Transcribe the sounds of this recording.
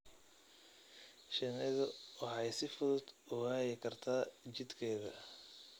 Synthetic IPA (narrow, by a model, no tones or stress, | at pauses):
ʃɛnɪðʊwɑħɑjsɪfʊðʊd̪̥ʊhaːjɪkʰɐrt̪ʰaːt͡ʃɪd̪kʰɛːðɐ